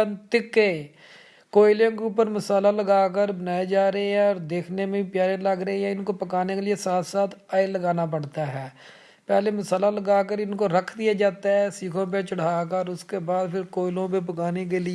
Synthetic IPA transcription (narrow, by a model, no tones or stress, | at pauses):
nt̪ɪkːeː | koːɪlõːkeupːəɾməsaːlaːləɡaːk̬əɾbənaːed͡ʒaːɾəeɛ̃ɔːɾd̪eːkʰneːmẽːpjaːɾeləɡɾəejaːɪnkopəkaːnekelɪesaːt̪saːt̪ʰaːjləɡaːnaːpəɽt̪aːɦɛː | pɛːleːməsaːlaləɡaːk̬əɾɪnkoːɾəkʰd̪ɪjaːd͡ʒaːt̪aɦɛːsiːkʰõːp̬et͡ʃəɽ̤aːkəɔːɾʊskeːbaːd̪pʰɪɾkoːɪlõːpep̬əkaːnek̬eːlɪ